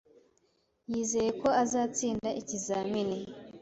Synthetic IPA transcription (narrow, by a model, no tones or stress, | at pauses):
jiːze̞je̞ko̞azaːt͡siːndaʔicizaːmine